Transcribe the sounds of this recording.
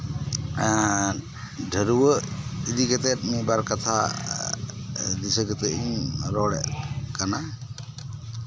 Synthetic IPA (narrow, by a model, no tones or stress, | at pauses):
ɖʱəɾuwəid̪ikət̪ɛt̪mibaɾkat̪ʰa̰ | d̪isəkət̪ɛiŋɾɔɽɛ̰ʔkana